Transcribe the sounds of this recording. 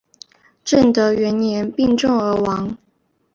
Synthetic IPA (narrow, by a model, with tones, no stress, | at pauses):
ʈ͡ʂə˥˩ŋd̪ə˨˦ɥɛ˧˥njɛ˧˥npi˥˧ŋʈ͡ʂʊ˥˩ŋə˧˥wɑ˧˥˦ŋ